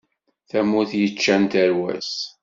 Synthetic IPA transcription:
θæmuθjət͡ʃːænt̪əɾwæ̰s

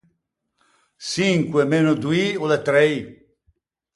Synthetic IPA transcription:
siŋkwemenod̪uiolet̪ɾej

